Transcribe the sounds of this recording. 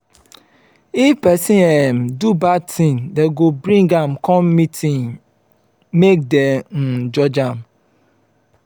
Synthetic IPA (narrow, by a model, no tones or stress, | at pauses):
ifpɛsĩɛmdubatʰĩndɛɡobɾĩŋɡãmkʰɔ̃mːitʰĩŋ | mek̚dɛn̩d͡ʒɔd͡ʒãm